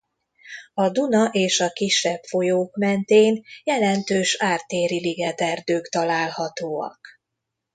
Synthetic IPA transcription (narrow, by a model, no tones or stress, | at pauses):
ɒd̪unɒʔeːʃɒkiʃːɛpfo̞joːkmɛnt̪eːnjɛlɛnt̪øːʃaːrt̪eːɾiliɡɛt̪ɛrd̪øːkt̪ɒlaːlhɒt̪oːɒ̰k